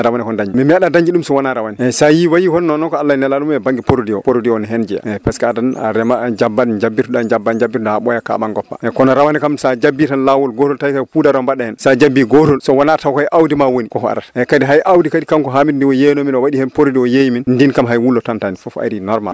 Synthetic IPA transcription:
ɾawanɛkɔndaɲd͡ʒimimiaɗadaɲd͡ʒiɗumsɔwanaɾawaniɛsajiwajihɔnːɔnɔkɔalːajnɛlaɗumɛbaŋɡipoɾodiɔpoɾodiɔnɦɛnd͡ʒɛa̰ɛpɛskadana̰ɾɛmad͡ʒabːand͡ʒabːituɗand͡ʒabːand͡ʒabːitɔhaɓɔjaka̰ɓanɡɔpːa̰ɛkɔnɔɾawanɛkamsad͡ʒabːitanlawɔlɡotɔltajkapudaɾɔmbaɗːahɛnsad͡ʒabiɡɔtɔlsɔwanatawkajʔawdimawonikɔkɔa̰ɾatḁɛkadiɦajʔawdikadikamkɔɦamitndiwɔjenominɔwaɗihɛnpoɾodiɔjejiminndinkamɦajwulːɔtantanifɔfa̰ɾinɔɾma̰l

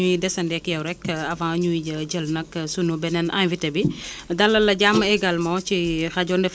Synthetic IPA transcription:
uidɛsɐndɛkjɐwɾɛkɐfãɲuiɟɐɟəlnɐksunubɛnɛnʔa̰nvitɐbidɐlːɐlːɐɟamɛɡɐlmɐwt͡ʃixɐɟɔndɛf

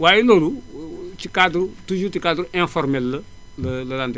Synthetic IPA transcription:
wajilolut͡ʃikad̪ɾut̪uʒut̪ikad̪ɾuẽfɔɾmelːɨ | lɨlɐlãnd̪

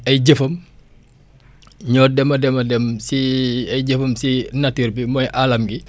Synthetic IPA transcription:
ɐjɟəfɐm | ɲɔːdɛmɐdɛmɐdɛmsiɐjɟəfɐmsinɐtiɾbimɔjʔalɐmɡi

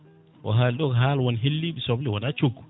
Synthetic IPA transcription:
ʔɔ̰ɦalɗɔɡɦaːlwɔnɦelːiɓisɔblɛwanat͡ʃoɡːu

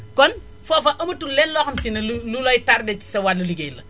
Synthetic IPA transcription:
kɔn | fɔfɐʔɐmɐtːulɛnlɔxɐmsinɐlululɔjtaɾdɛt͡ʃi̥sɐwaluliɡejlɐ̰

